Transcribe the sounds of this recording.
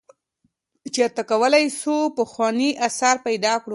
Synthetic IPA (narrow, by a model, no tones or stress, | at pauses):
t͡ʃaɾt̪akawəlajsupəxwɑniʔasaɾpajd̪ɑkɽu